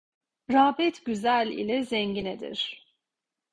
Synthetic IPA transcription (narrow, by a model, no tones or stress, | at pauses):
ɾaːbɛt̪ʰɟyzælʲḭlʲɛzɛɲɟinɛd̪ḭɾ̥